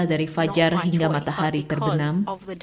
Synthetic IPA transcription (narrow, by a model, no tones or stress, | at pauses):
daɾifad͡ʒarɦiŋɡamat̪ahaɾit̪ərbənam